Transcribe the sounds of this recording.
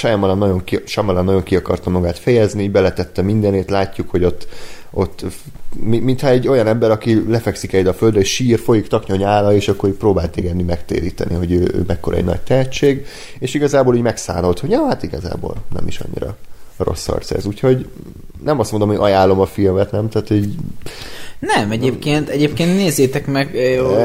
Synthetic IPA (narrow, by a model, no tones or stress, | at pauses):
ʃɛjɛmːɒlanːɒɟo̞ŋkiʃɛmːɒlanːɒɟo̞ŋkiɒkɒ̰rt̪ɒmːɒɡaːt̪fɛjɛznibɛlɛt̪ɛt̪ːɛmind̪ɛneːt̪laːcːukho̞ɟo̞t̪ː | o̞t̪ː | mimint̪hɒɛɟːo̞jɒnɛmbɛɾɒkilɛfɛksikɛd̪ɒføld̪rɛeʃiːrfo̞jikt̪ɒkɲo̞ɲaːlɒeːʃɒkːo̞ɾipɾoːbaːlt̪eːɡɛd̪ːymɛkt̪ḛːɾiːt̪ɛ̰nʔiɦo̞ɟøːø̰ːmʔɛkːoɾɒ̰ɛ̰ɟnɒ̰ɟ̚t̪ɛɦɛtt͡ʃːeːɡ | eːʃiɡɒzaːboːluːɟmɛksa̰ːno̞lt̪ho̞ɟɒːɦat̪iɡɒza̰ːbo̰ːlnɛ̰mḭʃɒ̰ɲːḭɾɒ̰ro̞̰sːɒ̰rt̪sɛ̰zuːcho̞ɟ | nɛmɒst̪mond̪omhoɟʔɒjaːlːo̞mɒfilmɛt̪nɛmt̪aːt̪huːɟ | nɛmɛɟeːpkeːnt̪ɛɟeːpkeːnt̪neːzːeːt̪ɛkmɛɡ